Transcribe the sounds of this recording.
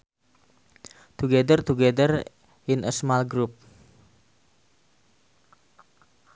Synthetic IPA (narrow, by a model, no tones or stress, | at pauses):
t̪uɡɛdərt̪uɡɛdər | ɪnʔəsmalɡɾup̚